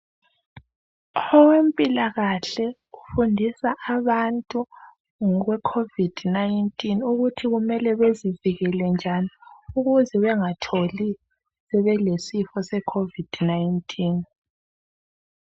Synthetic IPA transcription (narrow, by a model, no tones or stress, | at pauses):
ɔwempʼilaɣaɬɛ | ufundʱisaʔaβantʼu | ŋɔɣwɛkʰovid̥ʱnajntʼinuɣutʰiɣumɛlɛβeziviɣɛlɛnd͡ʒʱaniuɣuzɛβɛŋatʰoli | sɛβɛlesifɔsɛkʰovid̥najintʼʰiːn